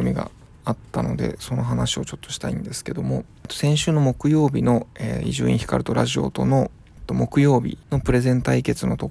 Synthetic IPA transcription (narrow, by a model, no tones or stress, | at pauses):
omʲiɡa̰ | at̪ːano̞d̪e̞̰so̞no̞ɦanaɕio̞t͡ɕo̞t̪ːo̞̥ɕi̥t̪aḭ̃nd̪e̞sɨ̥ke̞d̪o̞mo̞ | t̪ːo̞sẽ̞ɰ̃ɕɨːno̞mo̞kɯ̟jo̞ːbʲino̞eiʑɨ̰ːḭ̃çi̥ka̰ɾɯ̟t̪o̞ɾaʑio̞̰t̪o̞no̞ | t̪ːo̞mo̞kɯ̟jo̞ːbʲḭno̞pɯ̟ɾe̞zẽ̞nt̪aike̞t͡sɨno̞t̪o̞